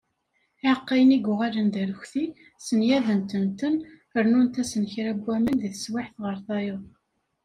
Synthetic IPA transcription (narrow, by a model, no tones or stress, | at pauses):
ɪʕəqːijniɡʊʁalənd̪æɾəçθi | sənjæðənt̪ənt̪ən | əɾnunt̪æsənçɾæbːæmənðiθəswɪħθʁəɾθɑjʊðˤ